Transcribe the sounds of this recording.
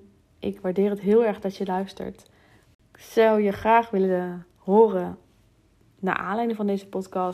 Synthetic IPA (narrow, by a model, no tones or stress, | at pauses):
ʔɪkʋaːɹdɪːrətɦɪːlˠɛɹɣdɑtjəlœɥstə̰ɹt | sɔwjəχraːχʋɪlə | ɦoːrə | na̰ːʔa̰ːnlɛjnəŋvɑndejzəpɔtkɑ